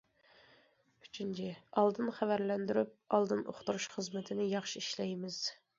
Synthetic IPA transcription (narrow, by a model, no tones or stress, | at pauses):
y̥t͡ʃʰynt͡ʃʰɪɑlˠd̪ɨnχævæɾlɛnd̪yɾyp̚ɑlˠd̪ɨnʔo̰χt̪uɾuʃχəzmɪt̪ʰɪnɪjɑχʃiiʃlɛjmɪz̥